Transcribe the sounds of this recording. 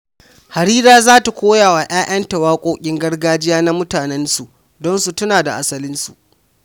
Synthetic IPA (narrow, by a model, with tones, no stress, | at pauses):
ha˨ɾiː˦ɾaː˦zaː˦ta˨kʷoː˦jaː˨waː˨ʔaː˦ʔɐ˦ntɐ˨waː˦kʷʼoː˦kʲʼɪ˦ŋɡɐ˦rɡaː˦d͡ʒɪ˦jaː˦na˦mʊ˦taː˨nɛ˦nsu˨ʔ | dɔ˦nsu˨tʊ˦naː˨da˨ʔa˦sɐ˦lɪ˦nsṵ˨ʔ